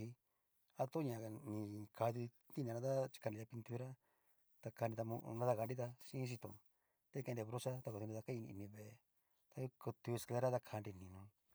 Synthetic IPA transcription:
i˧ | a˧t̪o˦ɲã˧nĩ˧kʰa˧ði˧ | t̪i˦nã˧nã˧a˦t͡ʃi̥˧ka˧n˧ĩ˧a˧pi˧nt̪u˧ɾa˦ | t̪a˧ka˧i˧t̪a˧mũ˧nã˦t̪a˦˧ka˧nɾi˦t̪a˧ʃĩ˦s̬i˧t̪õ̰˨˧ | t̪e˦kẽ˧e˧βɾo˦sa˦t̪a˧ko˧t̪i˧a˧kã˦ĩ˧nḭ̃˧˨nĩ˧βe˨˧ | t̪a˧˦ko˧t̪u˧ska˦ɾa˦t̪a˧kʰa˧nɾi˧nĩ˧nũ˧

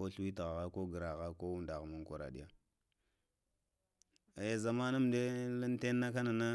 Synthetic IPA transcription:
o˦ɬu˦wi˦ta˨ɣa˨ɣa˦ko˦ɡə˨ɾa˨ɣa˦ko˦wu˦nda˨ɣmu˦ŋkʷa˨ɾa̰˨ɗi˦ja˦˨ | a˨ja˨za˨ma˦na˦m˨de˦la˦n˦te˦nː˦a˦ka˦na˨na˦

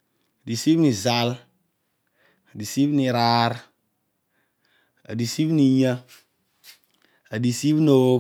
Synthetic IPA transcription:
a˨di˨si˦bni˨za˨˦l | a˨di˨si˦bni˨ɾa˦ɾ | a̰˨di˨si˦bni˧ɲa˦ | a˨di˨si˦bno˦

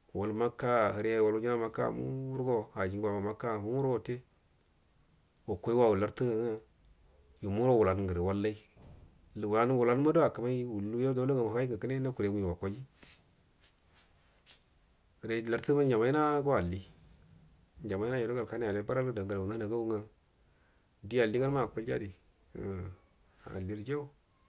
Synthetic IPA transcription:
wa˨lma˦kːa˦˨hə˨ɾja˦˨wa˨lwu˦d͡ʒi˦na˦ma˦ka̰˦˨mṵ˦u˦ɾɡo˦ha˨d͡ʒi˨ŋɡʷa˨ma˨ma˦ka˦˨mu˦u˦ɾɡo˦te˦ | wo˨kʷo˦i˦wa˦wu˨la˨ɾtu˦ɡa˨ŋa˦ | ju˨mu˦ɾo˦wu˨la˨n˨ɡə˨ɾe˨wa˦lːa˦i˦˨ | wu˨la˨n˦wu˨la˨n˦ma˦do˦a˨ka˨ma˦wu˨lːu˦jo˦do˦o˦ŋa˨ma˨˦i˦ɡa˨kə˦ne˦na˦ku˨ɾe˨mu˨jwa˨kʷo˨˦i˦ | ɡə˨ɾe˨la˨ɾti˦ma˦d͡ʒa˨ma˦i˦na˦ɡo˦a˨lːi˦ | nd͡ʒa˨ma˦i˦na˦jo˨do˦ɡa˨lka˦na˦ja˨le˦ba˦ɾa˦lda˨ŋɡa˨lwu˨a˦na˨ɡa˦wu˦ŋa˦ | di˦a˨lːi˦ɡa˦n˦a˦˨ko˨˦ld͡ʒa̰˦di˨ | a̰˨li˦ɾd͡ʒe˦

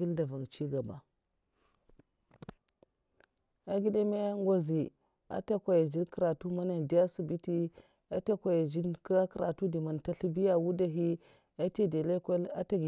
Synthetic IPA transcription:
i˦lda˨va˨ɡt͡ʃi˦ɡa˨ba˨ | a˨ɡi˦da˦me˦ŋ˦ɡo˦zi˨ | a̰˦ta˦kʷa˨ja˨d͡ʒi˦nkɾa˨tu˦ma˦na˨di˦ja˦su˨bi˦ti˦ | a˦ta˦kʷa˨ja˨d͡ʒi˦nka˦kɾa˨tu˦di˨ma˨n˨ta˦ɬi˦bi˦ja˦wu˦da˦ɦi˦ | a˦te˦de˨le˦ka˦la̰˦ta˦ɡi˨

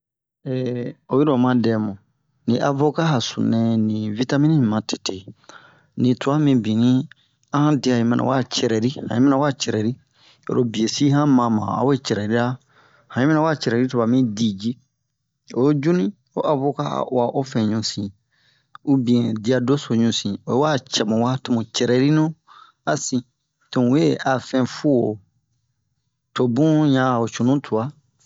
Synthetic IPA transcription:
ɛ˨o˨ji˦ɾõ˨mã˦dɛ˨˦mõ˨ | nĩ˨ʔa˨vo˦ka˦ɦa˨sṵ̃˨nɛ̃˦nĩ˨vi˦ta˦mĩ˦ĩ˦˨mã˨te̥˨te˨ | nĩ˨tu˨a˦mĩ˦bĩ˨nĩ˦ | ã˦hã˦di˨a˨ĩ˨˦mɛ̃˦nʔa̰˨wa˦t͡ʃɛ˨ɾɛ˨ɾi˦hã̰˨ĩ˦mɛ˦nã˦wa˦t͡ʃɛ˨ɾɛ˨ɾi˦ | o̰˨ɾo˦bi˨e˨si˦hã˦mã˨mã̰˨a̰˦we˦t͡ʃɛ˨ɾɛ˨ɾi˦a˦ | hã˨ĩ˦mɛ̃˦nã˦wa˦t͡ʃɛ˨ɾɛ˨ɾi˦tu˨βa˨mĩ˦di˨d͡ʒi˦ | o˨˦d͡ʒu˦nĩ˦ | o˦ʔa˨fo˦ka̰˦˨u˨a˨ʔo˦fɛ̃˨ɲũ˨sĩ˨ | u˦bĩ˨ɛ̃˨di˨˦a˨do˦so˨ɲũ˨sĩ˨o˨e˦wa˦t͡ʃɛ˨mɔ̃˨wa˦tũ˨mũ˨t͡ʃɛ˨ɾɛ˨ɾi˦nũ˦ | a˨sĩ˨ | tõ˨˦e˦a˨fɛ̃˨fu˦o˨ | to˨bũ˦jã˨o˨t͡ʃũ˨nũ˦tʰu˨a˦

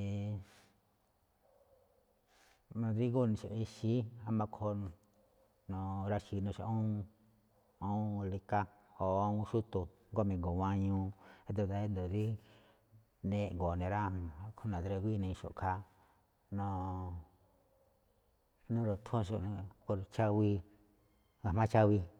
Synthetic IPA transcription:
nõ˧˨d̪i˦ɣo˦˨nĩ˧˨ʃo̰˨i˧ʃi˦a˧mã˧kʰõ˧ | nõ˧ɾa˧ʃi˧˨nũ˧a̰˧ʔõ˦˧ | õ˦˧li˧ka˦ | ho˨ã˧ũ˧ʃu˦t̪u˧ŋɡo˦mĩ˧ŋɡo˨wã˧ɲũ˧e˧d̪o˧˨d̪a˧e˦nd̪õ˨ði˦ | nẽ˧˨ŋɡo˨nẽ˨ɾa˦˨˧kʰo˦nã˨d̪ɾe˧ɡʷi˦˧nẽ˧ĩ˧ʃo̰˨kʰa˧˦ | nõ˧ | nũ˦ɾo˨t̪ʰõ˦ʃõ˧ko˧ɾt͡ʃa˦wi˧ | ŋɡa˨mã˦t͡ʃa˦wi˧

